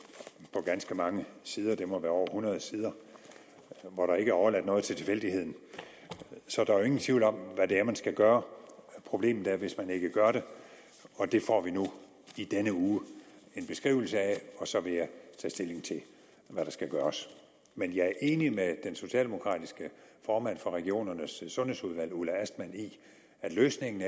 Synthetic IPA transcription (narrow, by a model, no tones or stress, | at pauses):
pʰɒ̽ɡ̥ænsɡ̥əmɑ̈ŋəsiːð̞ˠɐd̥e̝mɒʋæːɐɒ̰ɐhunɐð̞̩ˠsiːð̞ˠɐ | ʋɒɾ̥ɑ̈e̝ɡ̥əæɐɒʊɐlæd̥nɔ̽ːðˠt͡sʰe̝t͡sʰe̝fel̰d̥ihe̝ð̞̰ˠn̩ | sɒ̽d̥ɑ̈æɐjoe̝ŋn̩t͡sʰʋiʊlɒ̽mʋædeæɐmænsɡ̥æɡ̥ɶːɐpʰʁo̝b̥le̝̰ːmn̩ˠæɐʋe̝smæne̝ɡ̥əɡ̥ɶɐɾe̝ | ɒ̽d̥e̝fɒ̰ːʋinu | id̥enəuːe̝nb̥e̝sɡ̥ʁḭːʊl̩səæɒ̽sɒ̽ʋe̝jɑɪt͡sʰɛ̰ːsd̥e̝le̝ŋt͡sʰe̝ | ʋæɾ̥ɑ̈sɡ̥æɡ̥ɶːɐs | menjɑ̈æɐʔe̝ːnimed̥enso̝ɕiɛ̰ːld̥e̝mo̝kʰʁɑ̰̈ːd̥isɡ̥əfɒːmæn̰fɒ̽ʁɛɡ̥io̝̰ːnɐnəsːɔ̽nhe̝̰suðˠʋæl̰ulææsd̥mæn̰i | æd̥løːsne̝ŋn̩